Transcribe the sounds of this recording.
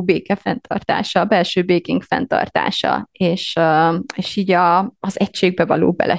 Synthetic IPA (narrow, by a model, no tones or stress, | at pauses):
beːkɛfɛnt̪ʰɒrt̪a̰ːʃɒbɛlʃøːbeːkiŋkfɛ̰nt̪ɒ̰rt̪a̰ːʃɒ̰eːʃ | eːʃiːɟɒːzɛcʃeːɡ̚bɛvɒlo̰ːbɛ̰lʔɛ